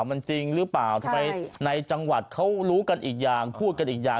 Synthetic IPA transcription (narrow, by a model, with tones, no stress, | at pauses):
wma˧nt͡ɕi˧ŋɾɯ˦˥paː˨˩wt̪ʰa˧a˧jna˧jt͡ɕa˧ŋwa˨˩t̪̚kʰa˦˥wɾuː˦˥ka˧nʔiː˨˩k̚jaː˨˩ŋpʰuː˥˩t̪̚ka˧nʔiː˨˩k̚jaː˨˩